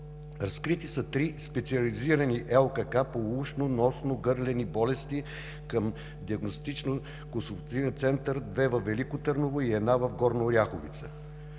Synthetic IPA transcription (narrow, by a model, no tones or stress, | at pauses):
ɾɐskɾit̪isət̪ɾispɛt̪siɐliziɾəniʔɛlˠkɐkapolˠuʃnonɔsnoɡɤɾlɛnibɔlɛst̪i | kəm | d̪iɐɡnost̪it͡ʃno | kosot̪it̪sɛnt̪əɾd̪vɛvɐvvːɛlikot̪əɾnovoiɛd̪navɐfɡɔɾnoɾʲjaxovit̪sə̰